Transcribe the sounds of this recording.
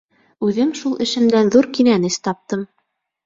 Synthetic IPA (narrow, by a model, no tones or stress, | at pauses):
ʉðɘmʃulˠɘ̆ʃɘ̆md̪ænðuɾkinænɘst̪ɑp̚t̪ɤm